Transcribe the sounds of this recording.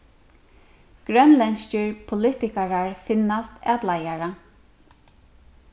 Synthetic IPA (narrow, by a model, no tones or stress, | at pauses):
ɡ̥ɾœnlɛnscɪɹpʰʊlɪt̪ɪkaɹaɹfɪnːast̪æːt̪lajaɹa